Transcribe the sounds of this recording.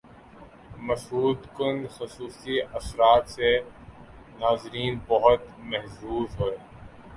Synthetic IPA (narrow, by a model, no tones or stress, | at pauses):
mɐʃɦuːd̪kʊnxʊsuːsiɐsɾaːt̪se | naːzɾiːnbɔɦʊt̪mɛɦsuːzɦoeː